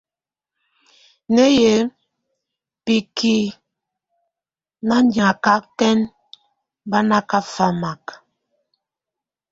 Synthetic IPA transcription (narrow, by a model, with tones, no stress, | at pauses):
nɛ˦je˨˦ | pi˨ki˨ | na˦nda˨ka˦tɛ˦n | ba˦na˦ka˦fa˦ma˨k